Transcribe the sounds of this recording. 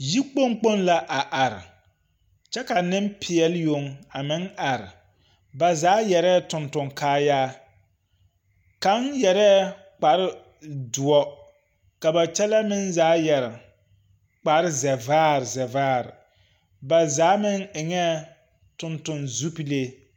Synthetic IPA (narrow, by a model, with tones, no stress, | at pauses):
ji˦k͡po˦ŋk͡po˦nla˨ʔa˨ʔa˨ɾɪ̰˨ | t͡ʃɛ˦ka˨nɪ˦m˦pʰɪ˨ɛ˨lɪ˦jo˨ŋa˨mɪ˦ŋa˨ɾɪ˨ | ba˨zaː˨˦jɛ˨ɾɛ˦tʊ˨ntʊ˨ŋkaː˦jaː˦ | ka˨˦njɛ˨ɾɛː˦ | k͡pa˨ɾɪ˦ | dʊ˨ɔ˦ | ka˨ba˨t͡ʃɛ˦la˦mɪ˦nzaː˦jɛ˨ɾɪ˨ | k͡pa˨ɾɪ˦zɛ˨vaː˦˨ɾɪ˨zɛ˨vaː˦˨ɾɪ̰˨ | ba˨zaː˨˦mɪ˦ŋɪ˨ŋɛ˦ | tʊ˨ntʊ˨nzu˦pi˦le˦